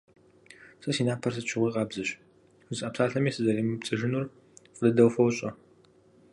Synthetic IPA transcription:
sʼɐsiːnaːpʰɐrsɨt͡ʃʰɪʁʷiːqʼɑːbzɨɕ | ɨzɐːpsaːɬɐmiːsɨzɐɾiːmɨpt͡sʼɨʒɨnur | qʼədɐdɐwfɐwɕʼɐ

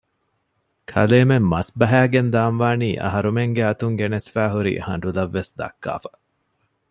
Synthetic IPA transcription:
kʰɐ̰leːmemːɐsbɐɦæːɡend̪aːmʋaːniːʔɐ̰ɦɐɾumeŋɡeɐt̪uŋɡenesfæːɦuɾḭːhɐ̰ɳɖulɐʋːesd̪ɐ̰kːa̰ːfɐ̥

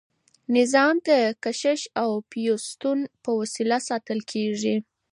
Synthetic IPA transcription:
nɪzɑmd̪əkaʃɪʃawpijost̪unpəwasilasɑt̪əlkʰeʐi

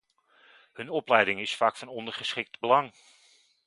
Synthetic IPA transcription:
hɵnɔplɛjdɪŋɪsfaːkfɑnɔndəɹχəsχɪk̚tbəlɑŋ

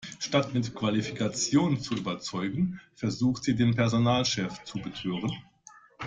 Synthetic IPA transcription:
ʃtatmɪtkv̥alifi̥kʰat͡sjoːnt͡suʔyːbɐt͡sɔʏɡŋ̩fɛɐzuːxtz̥iːdeːnpɛɐzonaːlʃɛft͡subətʰøːʁən

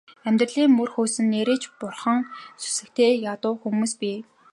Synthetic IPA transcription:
æmʲt̪rə̆ɮiːŋmɵrxuːsɘ̆nːeɾeːt͡ɕpʊrχə̆ŋsu̥sɘ̆kt̪ʰeːjat̪ʊːxumuːspiː

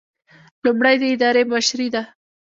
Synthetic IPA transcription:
lumɽajd̪əɪd̪ɑɾeməʃɾid̪a

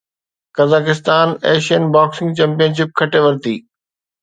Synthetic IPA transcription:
kɐzaːkɪst̪aːnɛːʃijənbaːksɪ̃ŋɡt͡ɕɐ̃mpijənʃ̬ɪp̚kʰɐʈeʋɐɾt̪ḭː

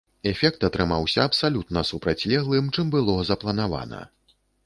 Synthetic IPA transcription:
ɛfʲɛk̚t̪ɐt̪ɾɨmawsʲɐːpsalʲut̪nɐsupɾat͡sʲlʲɛɣlˠɨmt͡ʂɨmbɨlˠɔzɐplˠɐnava̰nɐ̰

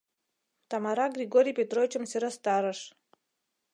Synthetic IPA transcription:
t̪ɑmɑɾɑɡrʲiɡoɾʲijpʲet̪rovʲit͡ɕə̆msʲɘɾəst̪ɑɾə̆ʃ

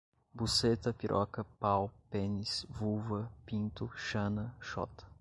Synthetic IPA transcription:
buset̪ɐpiɾʔɔ̰kɐpawpẽnisvuvɐpĩnt̪ʊʃɐ̃nɐʃɔ̰t̪ɐ̥

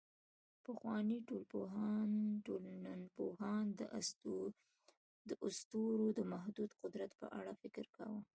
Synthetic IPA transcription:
pəxwɑniʈolpoɦɑnolnanpohɑnd̪ | d̪əʔʊst̪uɾod̪əmaɦd̪ud̪qʊd̪ɾat̪pə̰ʔa̰ɽafɪkɪɾka̰wə

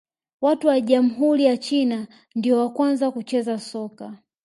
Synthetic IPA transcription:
watuwaʄam̩ɦuɾijat͡ʃina | ndiɔwakwanzakut͡ʃɛzasɔka

